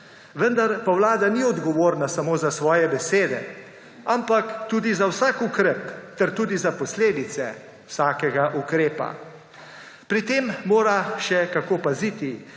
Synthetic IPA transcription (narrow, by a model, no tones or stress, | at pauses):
ʋənd̪aɾpawlaːd̪aniɔd̪ɡɔʋoːɾnasamoːzasʋɔːjɛbɛseːd̪ɛ̰ | ampakt̪uːd̪izawsaːkukɾɛpt̪ɛɾt̪uːd̪izapɔsleːd̪it̪sɛ̰ | wsaːkɛɡaʔukɾeːpa̰ | pɾit̪emːoːɾaʃɛkakoːpazit̪i